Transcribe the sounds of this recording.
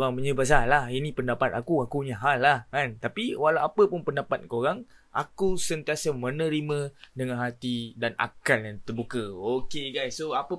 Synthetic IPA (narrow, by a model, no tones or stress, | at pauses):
oɾaŋməɲəbəs̬alahinĩpəndapat̪̚akuakuɲəɦalːahkant̪apiwalawapəpʊnpəndapat̪̚koɾaŋ | a̰kusənt̪iasəmə̃nəɾimə̃dəŋãnɦat̪idana̰kaljant̪ərbukəokeɡajsːoapə